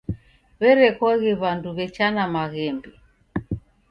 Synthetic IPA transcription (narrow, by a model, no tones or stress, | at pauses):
βɛɾɛkɔɣiβanduβɛt͡ʃanamaɣɛmbi